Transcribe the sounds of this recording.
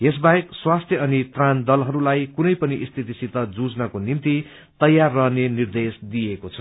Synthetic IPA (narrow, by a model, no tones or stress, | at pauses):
es̬baekswast̪ʰjʌʌnit̪rand̪ʌlɦʌɾulajkunʌjpʌniʔist̪ʰit̪isit̪ʌd͡zud͡znʌkonimt̪i | t̪ʌjːarːʌɦnenird̪esd̪ijekot͡sʰʌ